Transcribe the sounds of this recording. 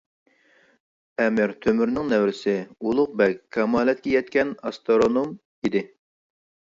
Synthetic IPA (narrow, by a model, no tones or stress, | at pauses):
ɛmɪɾt̪ʰømyɾnɪŋnɛwɾɪsɪulˠʊq̚bɛkʲkʰːɑmɑːlɛt̪̚kʲɛjɛt̪̚kʲɛnɑst̪oɾonom | id̪ɪ